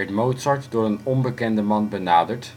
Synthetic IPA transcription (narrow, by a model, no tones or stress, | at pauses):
ɛɹtmowtsɑɹtdʊːɹənɔnbəkɛndəmɑnbənaːdəɹt